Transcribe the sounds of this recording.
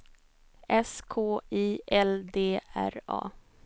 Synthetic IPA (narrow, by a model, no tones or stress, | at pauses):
ɛskʰoːiːʔɛld̪eːæ̰ɾɑ̰ː